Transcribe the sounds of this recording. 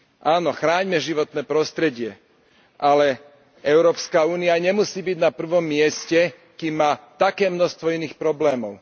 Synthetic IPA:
ʔaːnɔxɾaːɲmɛʒiʋɔt̪nɛːpɾɔst̪ɾɛɟɪɛ | ʔalɛ | ɛʊɾɔːpskauːniaɲɛmusiːbiɟnapr̩ʋɔmːɪɛscɛ | kimːaːt̪akɛːmnɔxst̪ʋɔiniːxpɾɔblɛːmɔʊ

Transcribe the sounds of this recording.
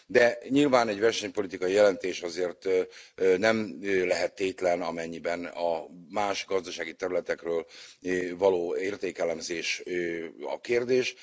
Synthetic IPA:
d̪ɛɲilvaːnɛɟvɛrʃɛɲpo̞lit̪ikɒjijɛlɛnt̪eːʃɒzeːrt̪ | nɛmlɛɦɛt̪ːeːt̪lɛnɒmɛɲːibɛnɒmaːʃɡɒzd̪ɒʃaːɡit̪ɛɾylɛt̪ɛkrøːl | vɒloːeːrt̪eːkɛlɛmzeːʃ | ɒ̰keːrd̪eːʃ

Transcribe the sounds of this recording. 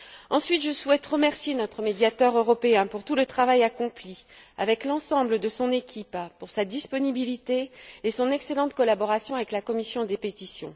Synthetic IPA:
ɑ̃sɥit̪ʒəswɛt̪ʁəmɛʁsjenɔt̪χəmed̪jat̪œʁøʁɔpeɛ̃puʁt̪ulət̪χavajakɔ̃plia̰vɛklɑ̃sɑ̃bləd̪əsɔ̃nekʲippuʁsad̪ispɔnibilit̪eːsɔ̃nɛkselɑ̃t̪kɔlabɔʁasjɔ̃avɛklakɔmisjɔ̃d̪epet̪isjɔ̰̃

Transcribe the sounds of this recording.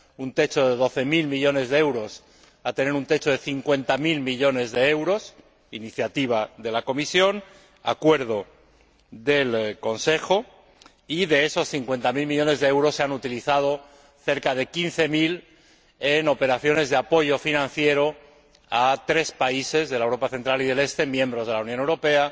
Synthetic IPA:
unt̪e̞t͡ʃo̞ðe̞ð̞o̞θe̞milmiʎo̞ne̞zðee̞wɾo̞s | at̪e̞ne̞ɾunt̪e̞t͡ʃo̞ð̞e̞θiŋkwe̞nt̪amilmiʎo̞ne̞zðe̞e̞wɾo̞s | iniθjat̪iβ̞aðe̞lako̞misjo̞n | a̰kwe̞ɾðo̞ | ðe̞lko̞nse̞xo̞ | iðe̞eso̞sθiŋkwe̞nt̪amilmiʎo̞ne̞zðe̞ewɾo̞sːeanut̪iliθað̞o̞ | θe̞ɾkað̞e̞kinθe̞mil | e̞no̞pe̞ɾaθjo̞ne̞zðe̞apo̞ʝo̞finãnθje̞ɾo̞ | at̪ɾe̞spaise̞zðe̞laewɾo̞paθe̞nt̪ɾaliðe̞le̞st̪e̞mjẽ̞mbɾo̞zð̞e̞lawnjone̞wɾo̞pe̞a

